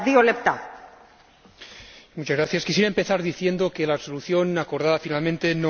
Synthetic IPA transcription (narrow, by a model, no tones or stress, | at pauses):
ðiolep̚t̪a | mut͡ʃazɣɾaθjaskis̬jeɾaempe̞θaɾðiθje̞nd̪o̞ke̞lareso̞luθjo̞nako̞ɾðaðafinalmẽnt̪e̞no